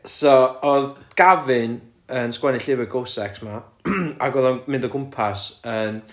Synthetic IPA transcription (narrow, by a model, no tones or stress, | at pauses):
sɔɔðɡ̥avɪn | ənskwɛnɪɬɪvɨɡowsɛksma | a̰ɡɔðɔnmɪ̃ndɔɡʊmpʰasəm